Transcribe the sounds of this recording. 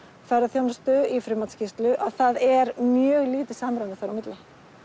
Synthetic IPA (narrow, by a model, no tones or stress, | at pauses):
θfarːaθjownast̪ʏifɾɪmat̪scɪst̪lʏʔaθaðɛɾmjœːɣliːt̪ɪsamɾaant̪ɪ̥faɾamɪt̪lɪ